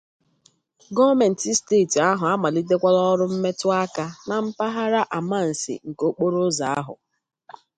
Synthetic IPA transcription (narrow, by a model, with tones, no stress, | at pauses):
ɡɔ˦me˨n̩˨ti˦steː˦˨ta˦ɦʊ˨a˦ma˨li˦de˦kʷa˦lɔ˦ɾʊ˦m̩˦me˦tʊ˦a˦ka˦na˨m̩˦pa˦ɦa˦ɾa˦ʔa˨ma˦˨n̩˨sḭ˨ŋ̩˨ko˦k͡po˦ɾo˦za˨a˦ɦʊ̰˨